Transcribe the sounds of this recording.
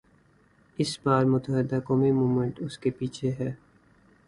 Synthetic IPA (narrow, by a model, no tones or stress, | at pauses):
ɪsbaːɾmʊt̪əɦɪd̪akɔːmimuːmə̃ɳʈʊskepiːt͡ʃʰeɦɛː